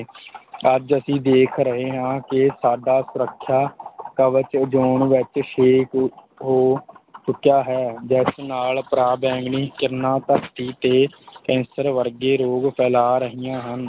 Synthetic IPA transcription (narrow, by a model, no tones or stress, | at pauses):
əd͡ʒəsĩːd̪eːkʰɾəɦeːɦãːkɪsaːɖaːsʊɾəkʰːjaːkəʋət͡ʃd͡ʒoːɳʋɪt͡ʃʃeːk | ɦoːt͡ʃʊkjaːɦɛːd͡ʒɛːsnaːlpɾaːbɛ̃ːŋɡniːkɪɾnãːt̪əkt̪iːt̪eːkɛ̃ːnsəɾʋəɾɡeːɾoːɡpʰɛːlaːɾəɦijãːɦən